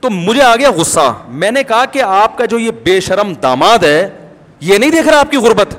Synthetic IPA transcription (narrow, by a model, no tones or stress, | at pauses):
t̪oːmʊd͡ʒʱeaːɡɐjaɣʊsːa̰mɛ̃ːnekɐɦakeaːp̚kad͡ʒoːjebeːʃɐɾəmd̪a̰ːmaːd̪ɦɛː | jenɐɦĩd̪eːkʰɾaaːp̚kiɣʊɾbət̪